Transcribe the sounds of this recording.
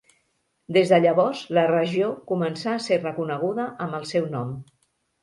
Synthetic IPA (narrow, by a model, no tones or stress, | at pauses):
d̪ezðəʎəβ̞ɔrzlərəʒiokumənsaːserəkunəɣ̞uðəʔəmbəlˠsɛwnɔm